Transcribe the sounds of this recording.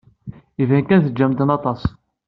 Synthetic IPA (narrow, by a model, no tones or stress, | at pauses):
ivænkænθəd͡ʒːæmt̪ənɑt̪ˤɑs